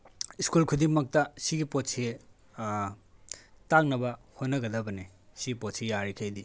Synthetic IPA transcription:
iskulkʰudiŋmɐk̚tɐsiɡipotse | tak̚nɐbɐhonːɐɡɐdɐbɐnesiɡipotsejaɾikʰejdi

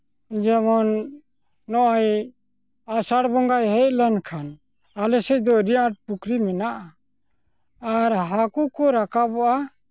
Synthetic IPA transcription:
id͡ʒamɔnː | ɔʔaj | asaɽbɔŋɡajɦɛc̚lankʰan | alɛsɛc̚d̪ɔɾiaʈ̚pukɾimɛnaʔa | ɾɦakukɔɾakabɔʔa

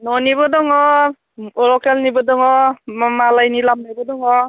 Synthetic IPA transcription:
nɔniβɔdɔŋɔ | ɔɾɔkelnibɔdɔŋɔmamalajnilamnajbɔdɔŋɔ

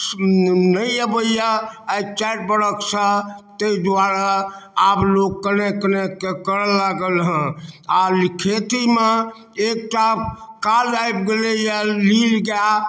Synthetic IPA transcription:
nəiəbəijaat͡ʃaʈ̚bəɽəksə̃t̪eid̪ʋaɾaːbloɡ̚kːənekːənekkːekəɾəlaɡəlɦə̃alikʰet̪ime | ek̚ʈakalajbɡelejalilɡja

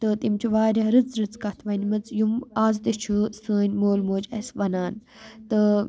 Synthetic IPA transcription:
t̪ɨt̪imt͡ʃʰuʋaːɾʲɐɦɾɨt͡sɾɨt͡skɐt̪ʰʋɐnmɐt͡sjumaːzd̪et͡ʃʰusəːnʲmoːlmoːd͡ʒɐsʋɐnaːn | t̪ɨ

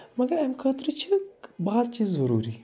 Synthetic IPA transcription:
mɐɡɐɾɐmkʰəːt̪ɾit͡ʃʰibaːd̪t͡ʃiːzːɐɾṵːɾi

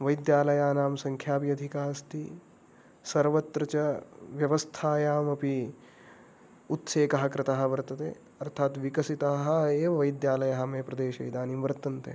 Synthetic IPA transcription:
ʋɐjd̪jaːlɐjaːnaːmsɐŋkʰjaːpjɐd̪ʱikaːst̪ʰi | sɐɾʋɐt̪ɾɐt͡ʃɐʋjɐʋɐst̪ʰaːjaːmɐpi | ut̪seːkɐɦɐkɾɪt̪ɐɦɐ̆ʋɐɾt̪ɐt̪ḛː | ɐɾt̪ʰaːt̪ʋikɐsit̪aɦɐ̆eːʋɐʋɐjd̪jaːlɐjɐɦɐmeːpɾɐd̪eːʃɐ̰jd̪aːniːmʋɐɾt̪ɐnt̪ḛ

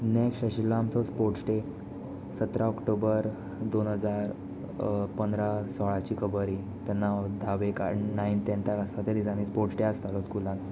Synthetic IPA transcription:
nekʂʈəɕilːaamt͡sɔspoɾʈsʈe | sət̪ɾaɔkʈobəɾ | d̪onɦəd͡zaɾ | pənd̪ɾasɔɭat͡ɕiːkʰəbəɾi | t̪ɛnːad̪ʱaʋeka̰naint̪ɛnt̪akast̪at̪eɾid͡zãnispoɾʈsʈeast̪alɔskulãn

